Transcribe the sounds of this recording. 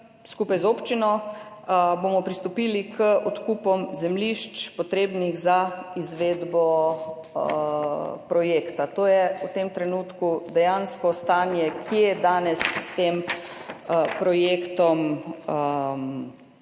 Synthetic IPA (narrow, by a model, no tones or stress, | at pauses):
skupajzoːpt͡ʃinɔ | bomɔpɾist̪ɔpiːlikəʔɔt̪kuːpɔmzɛmliʃt͡ʃpɔt̪ɾeːbniɣzaizʋeːd̪bɔ | pɾɔjeːkt̪at̪oːjɛut̪emt̪ɾɛnuːt̪kud̪ɛjanskɔst̪aːnjɛkʰjɛɛd̪aːnɛsːt̪em | pɾɔjeːkt̪ɔmə